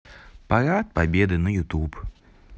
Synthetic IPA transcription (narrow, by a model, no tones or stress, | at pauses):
paɾat̪̚pabʲɛd̪ɨnɐjut̪up